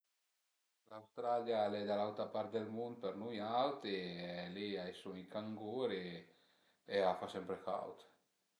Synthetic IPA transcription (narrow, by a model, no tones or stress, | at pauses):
lawst̪ɾaljalɛd̪alawt̪ɾapaɾt̪̚d̪elmund̪̚peɾnujawt̪eliaesueŋkaŋɡuɾe | eafasɛmpɾeka̰wt̪